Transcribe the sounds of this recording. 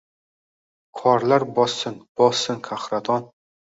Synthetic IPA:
kʰɒɾlaɾbɒsːɪnb̥ɒsːɪnkʰahɾat̪ʰɒn

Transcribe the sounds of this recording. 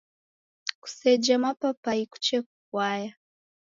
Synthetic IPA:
ku̥sɛd͡ʒamapapaiku̥t͡ʃɛk̚ukwaja

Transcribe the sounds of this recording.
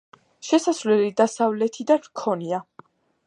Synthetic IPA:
ʃɛsasvlɛlid̪asavlɛt̪ʰid̪anmkʰɔnia

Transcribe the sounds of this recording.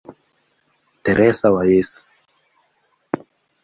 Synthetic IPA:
t̪eɾʔɛsawajesu̥

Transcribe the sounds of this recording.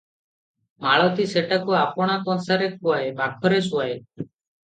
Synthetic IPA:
maɭɔt̪iseʈakuapɔɽ̃akɔnsaɾekuaebakʰɔɾesuae

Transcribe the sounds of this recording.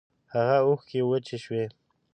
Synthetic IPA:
haɣauxkewət͡ʃeʃwe

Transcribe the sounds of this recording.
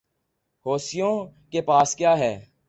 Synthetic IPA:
hoːsijõkepaːskjaːɦɛː

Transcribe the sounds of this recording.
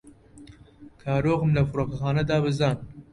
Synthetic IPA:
kʰɑːɾoːɣmlafʊɾokaxɑːnad̪ɑːβezɑːn

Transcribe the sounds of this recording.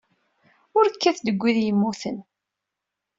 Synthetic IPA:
ʊɾkːæθd̪əɡʷːiðjəmːuθən

